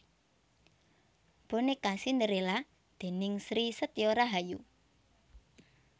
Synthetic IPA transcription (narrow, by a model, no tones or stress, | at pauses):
b̥onekasind̪əɾela | d̪̥e̤nɪŋsɾisət̪joɾaɦaju